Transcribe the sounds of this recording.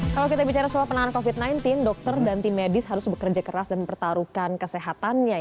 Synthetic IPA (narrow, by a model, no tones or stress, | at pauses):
kalawkit̪abit͡ʃaɾasuapənaŋannkofit̪̚najnt̪ɪndɔk̚t̪ərdant̪imedɪsɦaɾʊsbəkərd͡ʒakəɾasdanməmpərt̪aɾukankəseɦat̪anɲa